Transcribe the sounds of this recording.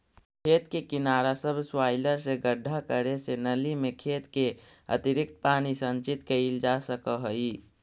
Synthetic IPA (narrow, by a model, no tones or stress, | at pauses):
kʰeːt̪kekɪnaːɾasəbʱswaːɪləɾseɡəɖʱːakəɾesenəlimẽkʰeːt̪keə̰t̪ɪɾɪk̚t̪̚paːnisə̃nt͡ʃɪt̪kəild͡ʒasəkəɦəi